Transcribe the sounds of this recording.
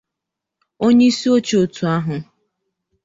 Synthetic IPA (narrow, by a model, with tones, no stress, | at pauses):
o˦ɲe˦i˦si˦o˦t͡ʃo˨tu˨a˦ɦʊ˨